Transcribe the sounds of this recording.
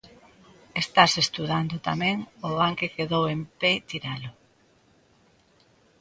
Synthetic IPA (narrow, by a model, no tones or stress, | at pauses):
est̪asest̪uðand̪ʊt̪amẽŋoβaŋkekeðowempet̪iɾalʊ